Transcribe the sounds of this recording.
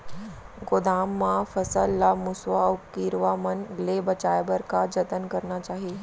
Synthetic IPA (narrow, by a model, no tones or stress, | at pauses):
ɡod̪aːmːãfɐsəlːamʊsʋaʊkiɾʋaːmənleːbɐt͡ʃaːjbəɾkad͡ʒɐt̪ənkɐɾnat͡ʃaːɦie